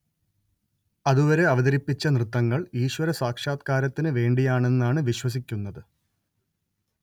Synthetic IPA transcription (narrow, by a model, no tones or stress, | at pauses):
ɐðuʋɐɾe̞ɐʋɐðɐɾipːit͡ɕːɐnrɨt̪ːɐŋːɐɭiːɕwɐɾɐsaːkʂaːt̪̚kaːɾɐt̪ːinɨʋe̞ːɳɖijaːɳe̞nːaːɳɨʋiɕwɐs̬ikʲːunːɐðɨ